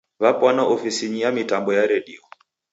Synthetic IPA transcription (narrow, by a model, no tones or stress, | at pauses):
βapwanaʔɔfisiɲijamitambɔjaɾɛɗiɔ